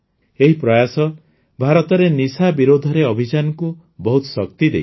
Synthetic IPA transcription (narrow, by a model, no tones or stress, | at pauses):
eɦipɾɔjasɔ | bʱaɾɔt̪ɔɾenisabiɾod̪ʱɔɾeɔbʱid͡ʒanɔku | bɔɦut̪ɔ̥sɔk̚t̪id̪ḛj